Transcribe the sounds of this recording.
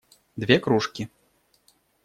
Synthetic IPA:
d̪vʲɛkɾuʂkʲi

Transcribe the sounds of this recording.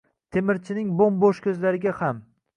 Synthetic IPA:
t̪ʰemɪɾt͡ʃʰɪnɪŋbomboʃkʲʰɵzlaɾɪɡʲaham

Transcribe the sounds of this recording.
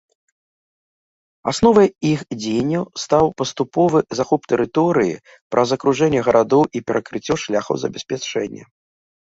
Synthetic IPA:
asnɔvɐjixd͡zʲejnʲːɐwst̪awpɐst̪upɔvɨzaxupt̪ɛɾɨt̪ɔɾɨjḭ | pɾʔɐzɐkɾuʐɛnʲːɛɣɐɾʔad̪ɔwʔipʲɛɾɐkɾɨt͡sʲːɔʂlʲaxɐ̰wzɐ̰bʲɛsʲpʲat͡ʂɛnʲːɛ̰

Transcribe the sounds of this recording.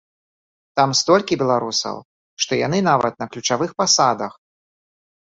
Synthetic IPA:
t̪amst̪ɔlʲkʲibʲɛlˠaɾusɐ̰w | ʂt̪ɔja̰n̪ɨnavɐ̰t̪̚nɐklʲut͡ʂavɨxpasad̪ɐ̰x

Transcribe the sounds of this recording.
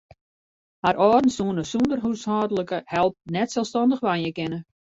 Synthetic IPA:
haɾʔɔːdn̩suənəsundərɦushaːdələkəhɛlˠp̚nɛtsɛlˠstɔndəχʋanjəkɪnə

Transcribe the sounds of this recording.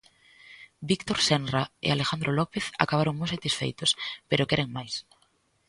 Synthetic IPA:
bikt̪oɾsɛnraḛalexand̪ɾolɔpeθa̰kaβaɾoŋmojsat̪isfḛjt̪ʊspeɾʊkɛɾeŋmajs

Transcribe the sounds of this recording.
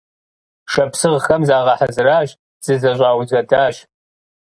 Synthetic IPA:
ʂɐpsɨʁxɐmzaːʁɐħazɨraːɕ | z̥ɨzɐʑʷʼaːwzɐdaːɕ

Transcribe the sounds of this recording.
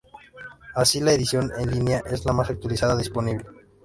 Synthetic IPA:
asilaeðisjo̞nenlinjaʔe̞zlamasak̚t̪walisaðaðispo̞niβle

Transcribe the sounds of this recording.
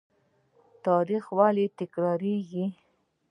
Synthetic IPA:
t̪ɑɾixwalit̪ɪkɾɑɾeɡi

